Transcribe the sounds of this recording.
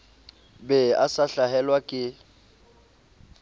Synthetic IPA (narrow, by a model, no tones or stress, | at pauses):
bɛasaɬaɦɛlwakʼɪ